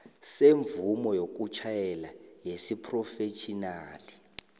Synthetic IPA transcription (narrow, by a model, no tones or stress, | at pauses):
seɱvumɔjok̬ut͡ʃʰajɛlajesipʰrɔfet͡ʃʰʼinaːli